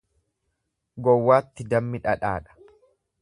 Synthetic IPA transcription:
ɡɔwːaːt̪ːɪd̪ɐmːɪᶑɐᶑa̰ːᶑɐ̥

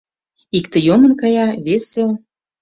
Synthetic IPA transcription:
ikt̪ə̆jomə̆nkɑjɑβesel

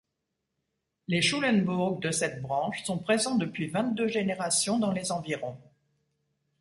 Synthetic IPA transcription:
leʃulɛnbuʁɡ̚d̪əsɛt̪̚bʁɑ̃ʃsɔ̃pχezɑ̃d̪əpɥivɛ̃t̪̚d̪øʒeneʁasjɔ̃d̪ɑ̃lezɑ̃viʁɔ̃

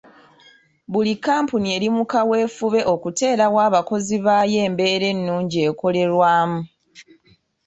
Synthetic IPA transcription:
βulikːaːmpunie̞ɾimukawe̞ːfuβe̞ʔo̞kute̞ːɾawaːβako̞ziβaːje̞ːmbe̞ːɾe̞nːuːɲɟie̞ːko̞le̞ɾwaːmu

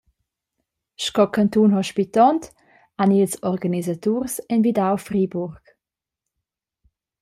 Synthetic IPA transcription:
ʃkɔkant̪unɦɔʃpit̪ɔnt | anilsɔrɡanizat̪uːrsɛnvidawfriːbuɾk

